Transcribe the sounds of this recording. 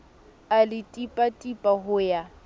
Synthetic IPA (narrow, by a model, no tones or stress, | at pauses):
alɪtʼipʼatʼipʼaɦʊja